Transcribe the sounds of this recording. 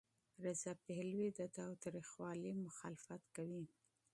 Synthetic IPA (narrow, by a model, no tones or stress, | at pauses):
ɾɪzapehlwid̪ət̪ɑwt̪ɾixwɑlimʊxɑlɪfat̪kawi